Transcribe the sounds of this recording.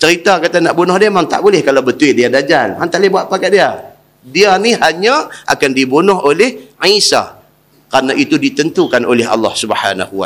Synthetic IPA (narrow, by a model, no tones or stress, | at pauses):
t͡ʃəɾit̪akat̪anaʔbonɔhdiamaŋt̪a̰ʔbulɪhkalawbət̪uɪʔdiadad͡ʒanhant̪aʔlebuaʔ̪̚pakat̪̚dia | dianihaɲãʔa̰kandibonʊɦolɪhʕisa̰ | kɾanaʔit̪udit̪ənt̪ukanʔo̰lɪɦɑ̰lːɑ̰hsubəħa̰na̰hua